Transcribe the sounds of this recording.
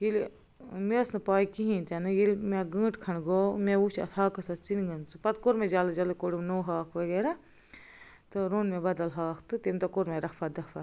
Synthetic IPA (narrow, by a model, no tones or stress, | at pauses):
jil | mesnɨpaːikiɦĩːnt̪ʲɐnɨjilmeɡə̃ːʈkʰɐnɡomeut͡ʃʰɐ̰t̪ʰaːkɐsɐst͡sinɡɐnt͡sɨpɐt̪koɾmed͡ʒaːlɨd͡ʒɐlɨkoɽimnoːɦaːkʰʋɐɡeːɾa | t̪ɨɾonmebɐd̪ɐlɦaːkʰt̪ɨt̪imt̪ɐkoɾmẽɾɐkʰfɐd̪ɐkʰfʰa